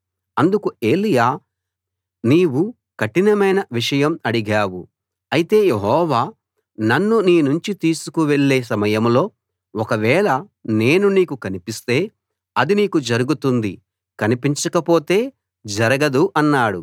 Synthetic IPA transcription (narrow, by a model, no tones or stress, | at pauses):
ɐnd̪ukue̞ːlijaː | niːwu | kɐʈːinɐmɐjnɐʋiʂɐjɐmɐɽiɡaːwu | ɐjit̪e̞ːjeɦɔːʋaː | nɐnːuniːnuɲt͡ʃit̪iːsukuʋe̞ɭːe̞ːs̬ɐmɐjɐmlo̞ː | ɔkɐʋɛːɭɐ | ne̞ːnuniːkukɐnipist̪e̞ː | ɐd̪iniːkud͡ʒɐɾuɡut̪und̪i | kɐnipiɲt͡ʃɐkɐpo̞ːt̪e̞ː | d͡ʒɐɾɐɡɐd̪uʔɐnːaːɽu